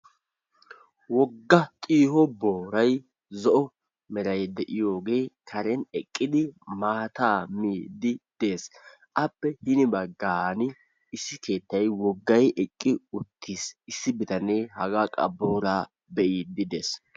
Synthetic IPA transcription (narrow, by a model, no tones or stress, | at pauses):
wɔɡːɐt̪ʼiːhɔboːɾɐj | zɔʔɔ | mɛɾɐjd̪ɛʔɪjo̞ːɡe̞ːkʰɐɾɛnɛkʼːɪd̪ɪmaːt̪aːmiːd̪ɪd̪̥e̞ːs | ʔɐpːɛhɪnɪbɐɡaːnɪ | ɪsːɪke̞ːt̪ːɐjwɔɡːɐjʔɛkʼːɪʊt̪ʰːiːsɪsːɪbɪt̪ɐneːhɐɡaːkʼɐ̰boːɾaː | bɛʔiːd̪ɪd̪eːs